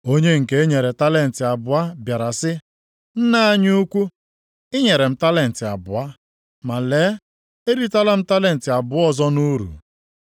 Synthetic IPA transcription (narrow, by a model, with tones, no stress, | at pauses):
o˦ɲe˦ŋ̩˨ke˦e˦ɲe˨ɾe˨ta˦le˨n̩˨tɪ˨a˨bʊ˨a˦bja˨ɾa˨sɪ˦ | n̩˦na˦a˦ɲuu˦kʷu˦ | ɪ˦ɲe˨ɾe˨m̩˦ta˦le˦˨n̩˨tɪ˨a̰˨bʊ˨a˦ | ma˨leː˨˦ | e˦ɾi˦ta˦la˦m̩˦ta˦le˨n̩˨tɪ˨a˨bʊ˨˦ɔ˦zɔ˦nu˦ɾṵ˨